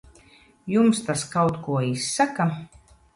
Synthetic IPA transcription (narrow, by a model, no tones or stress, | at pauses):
jumst̪askawt̪kuɔisːaka